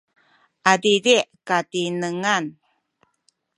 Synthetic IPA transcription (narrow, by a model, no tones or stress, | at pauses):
ʔadidiʔkatinəŋan